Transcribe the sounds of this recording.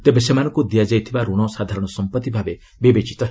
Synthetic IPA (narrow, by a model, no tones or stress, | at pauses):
t̪ebesemanɔ̃ŋkud̪ijad͡ʒajt̪ʰibaɾoɽ̃ɔsad̪ʱaɾɔɽ̃ɔsɔmpət̪ːibʱabe | bebet͡ʃit̪ɔ